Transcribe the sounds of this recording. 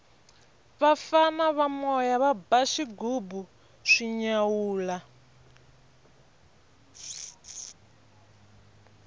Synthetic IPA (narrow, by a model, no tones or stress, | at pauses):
βafanaβamɔjaβabaʃiɡubu | ʂiɲawuːla